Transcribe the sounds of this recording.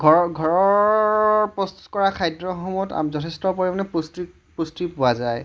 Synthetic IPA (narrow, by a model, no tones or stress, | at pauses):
ɡʱɔɡʱɔɹɔ | pɹɔstu̥kɔɹakʰajdɹɔxɔmɔta̰mzɔtʰestɔpoɹimanɛpustɹi | pustɹipʊwazaj